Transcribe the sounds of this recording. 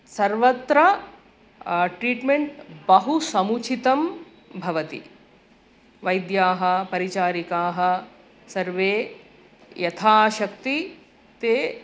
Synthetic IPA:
sɐɾʋɐt̪ɾɐ | ʈɾiːʈmeɳʈbɐɦusɐmut͡ʃʰit̪ɐm | bʱɐʋɐt̪ḭ | ʋɐjd̪jaːɦɐ̆pɐɾit͡ʃaːɾikaːɦɐ̆ | sɐɾʋeː | jɐt̪ʰaːʃɐk̚t̪i | t̪eː

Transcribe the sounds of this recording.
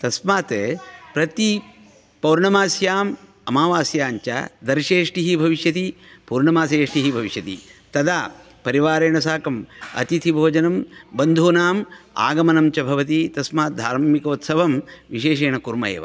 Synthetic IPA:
t̪ɐsmaːt̪pɾɐt̪i | pɐwɾɳɐmaːsjaːm | ɐmaːʋaːsjaːɲt͡ʃa̰d̪ɐɾʃeːʂʈiɦibʱɐʋiʃjɐt̪i | puːɾɳɐmaːs̬eːʂʈiɦibʱɐʋiʃjɐt̪ḭt̪ɐd̪aː | pɐɾiʋaːɾeːɳɐs̬aːkɐmɐ̰t̪it̪ʰibʱoːd͡ʒɐnɐmbɐnd̪ʱoːnaːma̰ːɡɐmɐnɐmt͡ʃɐbʱɐʋɐt̪̬it̪ɐsmaːt̪̚d̪ʱaːɾmikoːt̪sɐʋɐmʋiʃeːʃeːɳɐkuɾmɐ̰jḛːʋa̰

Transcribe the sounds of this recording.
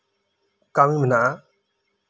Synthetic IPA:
kaːmĩːmənaa

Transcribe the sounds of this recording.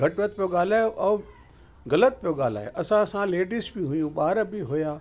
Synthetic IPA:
ɡʱɐʈʋət̪̚pijoɡaːl̤aːjoʔɐː | ɣɐlət̪̚pijoɠaːl̤a̰ːɦḛʔɐsãsãleːɖisbiɦʊjũɓaːɾbɪɦʊjaː

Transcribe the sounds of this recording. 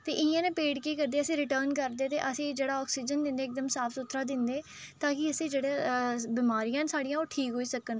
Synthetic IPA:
t̪eːʔɪãːnẽːpeːɖkiːkəɾd̪eːəsĩːɾɪʈəɾnkəɾd̪eːt̪ḛːʔəsĩːd͡ʒeːɽaːɔːksiːd͡ʒənd̪ɪ̃nd̪eːk̚d̪əmsaːpʰsʊt̪ʰɾaːd̪ɪnd̪eː | t̪aːkɪəsĩːd͡ʒeːɽeːbiːmaːɾijãːnsaːɽijãːoːʈʰiːkɦoːiːsəkən

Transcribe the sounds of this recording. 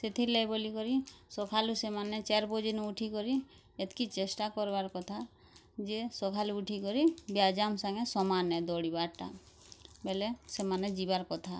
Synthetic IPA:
set̪ʰilɛjbolikɔɾisɔkʰalusemanɛt͡ʃɛɾbod͡ʒinuuʈʰikɔɾi | et̪kit͡ʃesʈakɔɾbaɾkɔt̪ʰa | d͡ʒesɔkʰaluːʈʰikɔɾibiad͡ʒamsaŋesɔmanɛd̪ɔɽibaɾʈa̰ | belesemaned͡ʒibaɾkɔt̪ʰa

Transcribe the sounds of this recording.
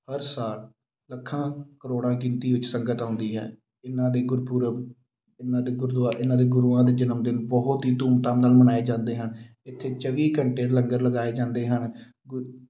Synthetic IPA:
həɾsaːl | ləkʰːãːkəɾoːɽãːkɪnt̪iːʋɪt͡ʃsəŋɡət̪ãːnd̪iːɦɛ̰ː | ɪnãːd̪eːɡʊɾpuːɾə | ɪnãːd̪eːɡʊɾd̪aːʔɪnːãːd̪eːɡʊɾuãːd̪eːd͡ʒɪnəmd̪ɪnbɔɦʊt̪ɦiːt̪uːmt̪ãːnaːlmənaːeːd͡ʒãːnd̪eːɦən | ɪt̪ʰːeːt͡ʃəʋiːkəɳʈeːləŋɡəɾləɡaːeːd͡ʒãːnd̪eːɦən

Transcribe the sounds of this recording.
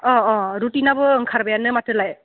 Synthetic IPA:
ɔ̃ɔ̃ɾutinabɯŋkʰaɾbajanɯmatɯlaj

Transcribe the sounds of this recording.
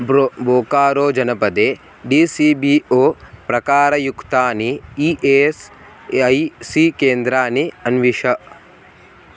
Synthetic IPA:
boːkaːɾoːd͡ʒɐnɐpɐd̪eː | ɖiːsiːbiːoːpɾɐkaːɾɐjukt̪aːniiːʔeːs | ɐjsiːkeːnd̪ɾaːniɐnʋiʂɐ

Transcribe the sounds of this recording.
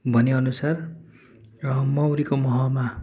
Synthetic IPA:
bʱʌneʌnusar | rʌmʌwɾikomʌɦʌma

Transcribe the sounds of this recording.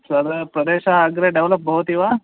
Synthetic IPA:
sɐɾpɾɐd̪eːʃaːɡɾeɖeʋlɐp̚bʱɐɦut̪iʋaː

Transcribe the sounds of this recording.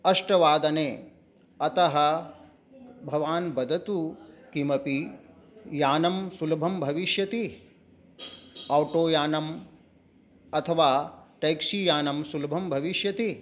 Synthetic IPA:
ɐʂʈɐʋaːd̪ɐneː | ɐt̪ɐɦɐ | bʱɐʋaːnbɐd̪ʱɐt̪ukimɐpi | jaːnɐmsulɐbʱɐmbʱɐʋiʃjɐt̪i | ɐwʈoːjaːnɐm | ɐt̪ʰɐʋaːʈɐjkʃijaːnɐmsulɐbʱɐmbʱɐʋiʃjɐt̪i

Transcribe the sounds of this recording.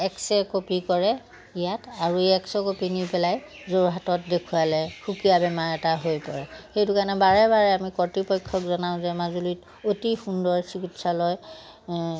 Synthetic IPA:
ɛksɛkopikɔɹɛ | ijataɹueɛksɔkopinipɛlaj | zoɹɦatɔt̚dekʰualɛxukijabɛmaɹɛtaɦojpɔɹɛxejtukanɛbaɹɛbaɹɛamikɔtipɔjkʰːɔkzɔnaʊ̃zɛmazulit | otixundɔɹsikitsalɔj

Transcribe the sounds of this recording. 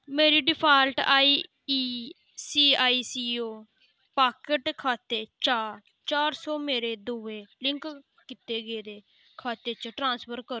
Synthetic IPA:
meːɾiːɖɪpʰaːlʈaːiː | iː | siːaːiːsiːoː | paːkəʈkʰaːt̪eːt͡ʃaːɾ | t͡ʃaːɾsɔːmeːɾeːd̪uːʋeːlɪ̃ŋk | kɪt̪eːɡeːd̪eː | kʰaːt̪eːt͡ʃʈɾãːnspʰəɾkəɾ

